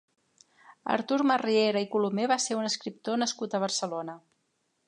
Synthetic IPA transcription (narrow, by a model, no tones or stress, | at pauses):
ə̰ɾt̪uɾmərieɾəikulumeβaseɾunəskɾip̚t̪onəskut̪əβ̞əɾsəlonə